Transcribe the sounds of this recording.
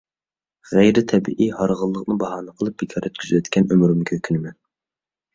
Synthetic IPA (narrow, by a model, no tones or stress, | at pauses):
ʁæjɾɪt̪ʰɛbḭʔihɑɾʁəlˠːəqnɨbɑɦɑːnɨqʰəlˠɨp̚b̥ɪkʰɑɾøt̪kʲyzywɛt̪kʲʰɛnømɾymkʲʰøkʲʰynɪmɛn